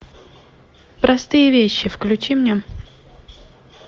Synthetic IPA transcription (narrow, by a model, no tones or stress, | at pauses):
pɾɐst̪ɨjəvʲeɕːɪfklʲʉt͡ɕimnʲe